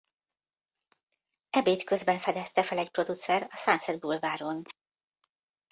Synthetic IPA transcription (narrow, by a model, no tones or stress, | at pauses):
ɛbeːt̪kø̞zbɛɱfɛd̪ɛst̪ɛfɛlɛcpro̞d̪ut̪sɛrɒsansɛd̪̚bulvaːɾo̞n